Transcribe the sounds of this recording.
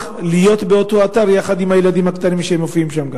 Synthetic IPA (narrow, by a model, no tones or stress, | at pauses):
lijo̞t̪beot̪o̞at̪aʁjaχad̪imhajelad̪imhakt̪animʃehemofiimʃamɡa